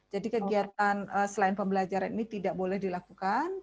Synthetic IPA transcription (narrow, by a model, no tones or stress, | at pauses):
d͡ʒadikəɡiat̪̚anəsəlaɪnpəmbəlad͡ʒaɾaninit̪idaʔbolɛhdilakukan